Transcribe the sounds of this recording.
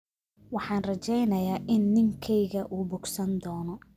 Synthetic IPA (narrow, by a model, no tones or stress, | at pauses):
wɑħɑːnrɐt͡ʃɛjnɐjaːʔɪnːɪŋkʰɛjɣɐʔuːbʊɡsɐnd̪ɔːnɔ